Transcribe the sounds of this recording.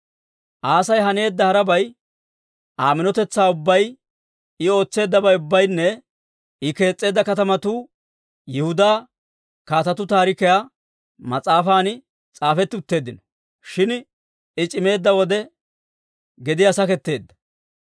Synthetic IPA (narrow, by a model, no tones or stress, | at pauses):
ʔaːsɐjɦɐne̞ːd̪ːɐhɐɾɐbɐj | ʔaːmɪnɔt̪ɛt͡sːaːʊbːɐj | ɪo̞ːt͡sːe̞ːd̪ːɐbɐjʊbːɐjnːɛ | ɪke̞ːt͡sʼːe̞ːd̪ːɐkɐt̪ɐmɐt̪uː | jɛhʊd̪aː | kaːt̪ɐt̪ʊt̪aːɾɪkɛja | mɐt͡sʼaːfaːn | t͡sʼaːfɛt̪ːɪʊt̪ːe̞ːd̪ːɪnɔ | ʃɪn | ɪt͡ʃʼɪme̞ːd̪ːɐwɔd̪ɛ | ɡɛd̪ɪjasɐkɛt̪ːe̞ːd̪ːɐ̥